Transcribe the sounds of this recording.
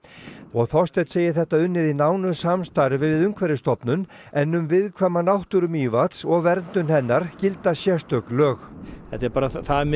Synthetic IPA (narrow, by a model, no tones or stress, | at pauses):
ɔɣθɔst̪ɛt̪seːjɪθɛht̪aʏnːɪðinaːwnʏsamst̪aɾvɪvɪðʏŋkʰvɛɾɪst̪ɔpnʏn | ɛnːʏmvɪðkʰvamːanawht̪ʏɾʏmiːvat̪sɔɣvɛɾnt̪ʏnhɛnːaɾ̥cɪlt̪asjɛst̪œklœːxθɛ̰t̪aɾpaːɾaθam